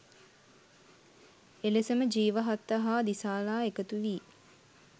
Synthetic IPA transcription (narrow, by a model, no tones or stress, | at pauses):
elesəməd͡ʒiːʋəɦat̪ːəɦaːd̪isaːlaːekət̪uʋiː